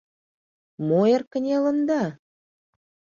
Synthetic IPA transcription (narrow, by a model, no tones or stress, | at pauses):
moerkə̆nʲelə̆nd̪ɑ